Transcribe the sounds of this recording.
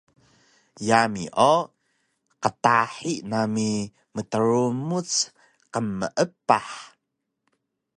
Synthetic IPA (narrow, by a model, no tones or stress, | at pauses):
jamiʔo | qətaħiʔnami | mətəɾumut͡s | qəmːəʔəpaħ